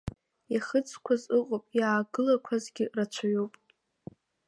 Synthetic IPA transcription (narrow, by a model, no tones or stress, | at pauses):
jaχət͡sʰʼkʷʰazɨqʼopʼjaːɡɨlakʷʰazɡʲɪrat͡ʃʷʰaɥopʼ